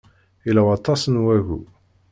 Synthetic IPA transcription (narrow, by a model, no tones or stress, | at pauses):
ilæwɑt̪ːɑsənwæɣṵ